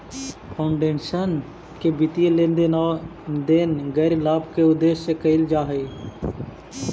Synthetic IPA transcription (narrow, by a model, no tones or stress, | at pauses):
pʰaʊɳɖeːnʃən | kebɪt̪ijelen | d̪enɡəɾlaːbkeʊd̪eːʃsekəɪld͡ʒaːɦeː